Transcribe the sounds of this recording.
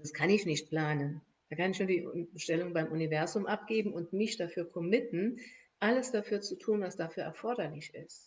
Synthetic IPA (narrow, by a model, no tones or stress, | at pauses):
daskʰanɪçnɪçt̚pl̥aːnən | d̥aːkanɪçnuːɐdiːbəʃtɛlʊŋəbaɪmʔunivɛɐzʊmʔap̚ɡ̥eːbm̩ʊntmɪçd̥afyːɐkʰɔmɪtn̩ | ʔaləsd̥afyːɐt͡sutʰuːnvasd̥afyːɐʔɛɐfɔɐdɐlɪçɪ̰st